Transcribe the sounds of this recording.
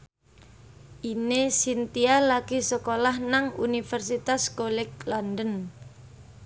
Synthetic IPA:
ʔinesint̪ialaɡ̥isəkolahnaŋṵnifɛrsit̪askolɪk̚lɔndən

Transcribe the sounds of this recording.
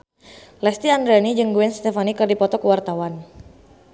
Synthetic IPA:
lɛst̪iand̪ɾɛnid͡ʒɨŋɡuɛnst̪ɛfanikərdipɔt̪ɔkəwart̪awan

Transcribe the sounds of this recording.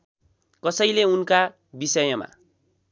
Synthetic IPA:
kʌsʌjleunka | bisʌjʌma̰

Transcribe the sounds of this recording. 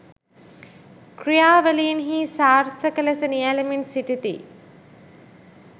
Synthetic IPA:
krijaːʋəlinɦiːsaːrt̪ʰəkəlɐsənialɐminsiʈit̪ḭ

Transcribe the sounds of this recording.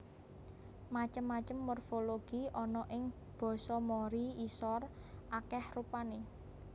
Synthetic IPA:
mat͡ʃəmːat͡ʃəmːorfoloɡ̥i̤ʔɔnɔʔɪŋ | b̥ɔ̤sɔmoɾiisɔr | ʔakɛhrupane

